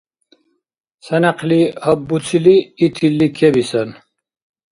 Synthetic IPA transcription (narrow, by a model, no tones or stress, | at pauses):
sɛnaqʰlihəbːut͡sʰiliːt̪ʰilːikʰɛbisɛn